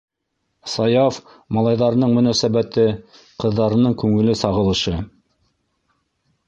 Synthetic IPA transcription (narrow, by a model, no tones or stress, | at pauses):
sɑjɑf | mɑlˠɑjðɑɾɤ̆nɤɴmɵ̆næsæβæt̪ɘ | qɤ̆ðːɑɾɤ̆nɤɴkʉŋɘ̆lɘsɑʁɤ̆lˠɤ̆ʃɤ